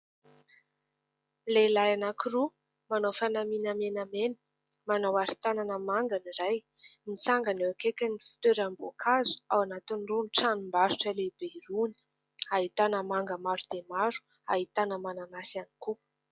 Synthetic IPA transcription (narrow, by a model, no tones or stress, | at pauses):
lelajanakiɾu | manowfanaminamenamenə̥ | manawaɾit̪ananəmaŋɡaniɾaj | nit͡saŋɡanewakekʲanifi̥t̪eɾambokʰazu̥awanat̪inrunʈ͡ʂanimbaʃuʈ͡ʂəleb̥eɾuni̥ | aɦit̪anəmaŋɡəmaɾud̪̥emaɾu̥ | aɦit̪anəmananasani̥ku